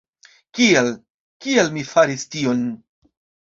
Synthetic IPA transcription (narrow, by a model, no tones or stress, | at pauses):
kiel | kielmifaɾistio̞n